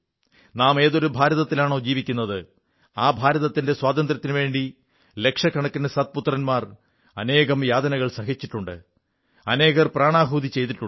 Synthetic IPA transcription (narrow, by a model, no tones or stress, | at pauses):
naːme̞ːðo̞ɾubʱaːɾɐðɐt̪ːilaːɳo̞ːd͡ʑiːʋikʲːunːɐðɨ | aːbʱaːɾɐðɐt̪ːinde̞swaːd̪ɐnd̪rɐt̪ːinʋe̞ːɳɖi | le̞kʂɐkːɐɳɐkːinɨsɐt̪̚put̪ːrɐnmaːr | ɐne̞ːɣɐmjaːd̪ɐnɐɣɐɭsɐɦit͡ɕːiʈːuɳɖɨ̰ | ɐne̞ːɣɐrpraːɳaːɦuːd̪it͡ɕːe̞jt̪̬iʈːu